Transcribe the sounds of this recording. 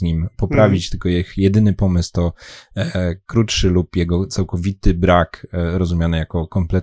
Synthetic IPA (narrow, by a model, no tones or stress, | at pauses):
ɲimpɔpɾavʲit͡ɕt̪ɘlkɔjɛxjɛd̪ɘnɘpɔmɘst̪ɔ | kɾutʂɘlupjɛɡɔt̪sawkɔvʲit̪ɘbɾakɾɔzumʲjanɘjakɔkɔmplɛt̪